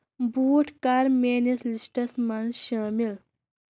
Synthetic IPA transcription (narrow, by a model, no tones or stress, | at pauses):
buːʈʰkɐɾmeːnislisʈɐsmɐnzʃaːmil